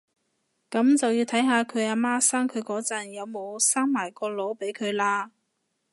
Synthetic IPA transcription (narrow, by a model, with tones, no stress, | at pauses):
kɐ˨˥mt͡sɐ˨wji˧wt̪ʰɐ˨˥jɦaː˨˧kʰɵ˨˧ɥaː˧maː˥saː˥ŋkʰɵ˨˧ɥkɔː˨˥t͡sɐ˨˩njɐ˨˧wmo˨˧wsaː˥ŋmaː˨˩jkɔː˧lo˨˧˥wpe˨˥jkʰɵ˨˧ɥlaː˧